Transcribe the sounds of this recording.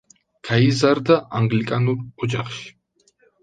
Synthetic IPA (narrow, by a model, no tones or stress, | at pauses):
kʰaizaɾd̪aʔaŋɡlikʼanuɾɔd͡ʒaχʃ